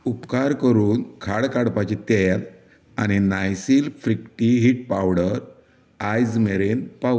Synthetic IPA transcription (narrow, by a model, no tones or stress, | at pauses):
upkaɾkəɾuːnkʰaɽkaɽpat͡ɕit̪ɛjl | añinajsiːlfɾikʈiɦiʈ̚pawɽəɾ | ajd͡zmeɾenpa